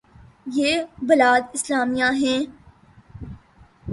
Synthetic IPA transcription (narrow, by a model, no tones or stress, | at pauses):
jeːbɪlaːd̪ɪslaːmijãɦɛ̃ː